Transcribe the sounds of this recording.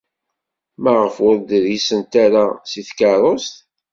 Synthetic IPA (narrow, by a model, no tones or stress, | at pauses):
mæʁəfʊɾd̪əɾisənt̪aɾasiθkɑɾˤost̪